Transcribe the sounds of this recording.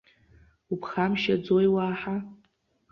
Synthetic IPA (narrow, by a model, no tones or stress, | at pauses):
upʰχamʃad͡zojwaːħa